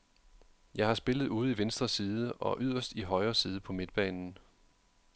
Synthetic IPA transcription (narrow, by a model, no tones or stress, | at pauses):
jɑ̈ɪhɑ̈sb̥e̝ləð̩ˠuːð̞̩ˠiʋensd̥ʁɐsiːðˠəʔɒ̽ʔyð̞̰ˠɐsd̥iɦɒ̽ɪɐsiːð̞ˠəpʰɒ̽me̝d̥̚b̥ɛ̰ːnn̩